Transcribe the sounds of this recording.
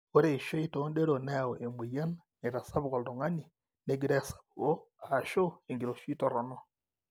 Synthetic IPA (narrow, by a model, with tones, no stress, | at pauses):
o˦ɾe˦i˨ʃo˦i˦toː˦nde˦ɾo˨ne˦o˨ʔe˨mu˨ja˦n | ne˨ɾa˨sa˦βu˦ɣo˨ldo˨ŋa˦ni˨ | ne˦ɡi˦ɾe˦sḁ˨βu˨ɣo˦ | a˨ʃo˦e˨ŋɡi˨ɾo˨ʃi˦to˦ɾo˨no˦